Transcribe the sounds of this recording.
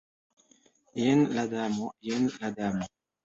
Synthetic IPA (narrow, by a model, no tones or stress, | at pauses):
jɛnlad̪amojɛnlad̪amo